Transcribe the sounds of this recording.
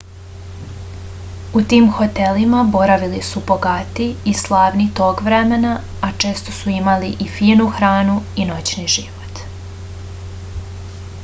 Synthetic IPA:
ut̪iːmxo̞t̪elimabo̞ɾaʋilisubo̞ɡat̪iːslˠaːʋnit̪o̞ːɡʋɾemenaː | t͡ʃe̞ːst̪o̞suimaliʔifiːnuxɾaːnuino̞t͡ɕniʒiʋo̞t̪

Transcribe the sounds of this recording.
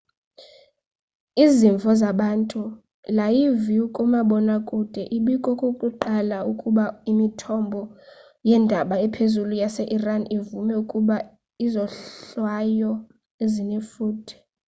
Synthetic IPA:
iziɱvʱɔzaɓantʼu | lajiviukʼumaɓɔnakʼud̥ʱɛʔiɓikʼɔkʼokʼuǃalaukʼuɓaimitʰɔmbʱɔ | jɛndʱaɓaɛpʰezulujasɛʔiranivumɛukʼuɓa | izɔwajɔ | ezinɛfuːdʰʱi̥

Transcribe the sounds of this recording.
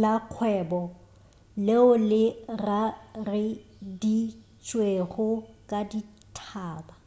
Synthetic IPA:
laq͡χʰwɛːbɔ | leʊlɪrarɪ | di | t͡ʃʼweɣʊkʼadi | tʰaːba

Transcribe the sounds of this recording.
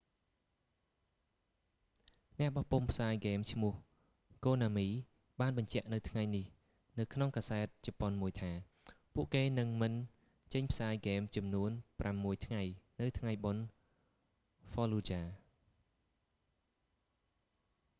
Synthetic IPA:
nɛ̆əʔɓɑhpumpʰsaːjɡeːmt͡ɕʰmŭəh | koːnaːmiː | ɓaːnɓɑɲt͡ɕɛ̆əʔnɨwt̪ʰŋajnih | nɨwkʰnoŋkaːsaɛt̪̚t͡ɕɔponmuəjt̪ʰaː | puəʔkeːnɨŋmɨn | t͡ɕəɲpʰsaːjɡeːmt͡ɕɑmnuənpramːuəjt̪ʰŋajnɨwt̪ʰŋajɓon | fɔːluːt͡ɕaː

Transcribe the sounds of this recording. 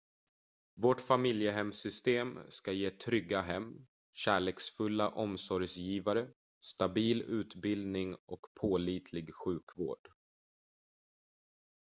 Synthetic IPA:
voʈfamɪljəɦɛmsʏst̪eːmskajeːt̪ʰɾʏɡːaɦɛmː | ɕæːɭeːksfɵlːaʔɔmsɔɾjsjiːvaɾə | st̪abiːlʉ̟ːt̪bɪld̪nɪŋɔkpʰoːliːt̪ʰlɪɡɧʉ̟ːkvo̰ːɖ̥

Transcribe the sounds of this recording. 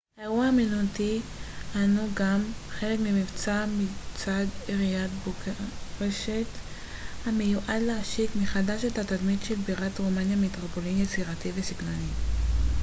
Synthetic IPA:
heuaaminutihanuɡamχe̞lekmimivt͡samit͡sadeʁijatbʁeʃet | hamejuʔadleaʃikmiχadaʃethatadmitʃelbiʁatʁomanjamitʁopo̞limjet͡siʁativesiɡlani

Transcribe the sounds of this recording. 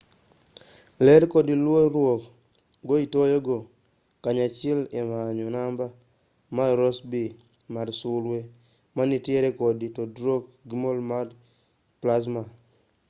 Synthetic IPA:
lɛɾkodilwoɾwok | ɡoitojoɡo | kaɲat͡ʃɪlemaɲonamba | maɾosbi | madsulwe | manitjeɾekoditodɾokɡimolmad | plas̬ma

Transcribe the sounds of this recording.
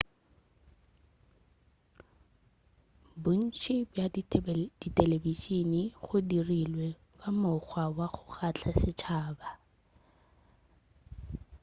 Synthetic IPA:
bʊn̩t͡ʃʰɪbja | d̥itʼɛlebiʃiniχʊdirilwɛ | kʼamʊχwawaχʊχat͡ɬʰasɪt͡ʃʰaːba

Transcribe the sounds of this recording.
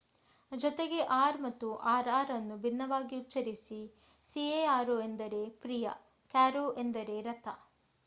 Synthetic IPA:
d͡ʒɔt̪eɡe̞ʔaːɾmɐt̪ːuʔaːɾaːɾɐnːubʱinːɐʋaːɡiutːɐɾisi | sieaːɾue̞nd̪ɐɾe̞pɾijɐ̰ | kaːɾuʔend̪ɐɾe̞ɾɐt̪ʰɐ

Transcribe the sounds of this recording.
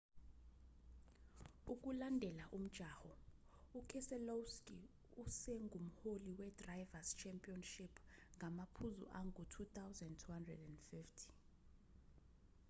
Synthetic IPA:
uk̬ʼulandʱɛlaʔum̩d̥ʒ̥ʱaːhɔukʰɛsɛlowskʼi | usɛŋɡʱum̩holiwɛdrajvast͡ʃʰɛmpʼiɔnʃipʰŋɡʱamapʰuzṵʔaŋʱutʰut̪awzɛndtʰuhandrɛ̰dɛndfiftʰi̥

